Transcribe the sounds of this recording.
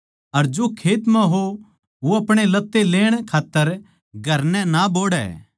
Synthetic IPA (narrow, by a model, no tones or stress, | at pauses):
ɐɾd͡ʒokʰeːt̪mãɦo | ʋoɐpɽ̃elɐt̪ːeleːɽ̃kʰaːt̪ːəɾ | ɡʱɐɾnɛ̃naboːɽɛ̰ː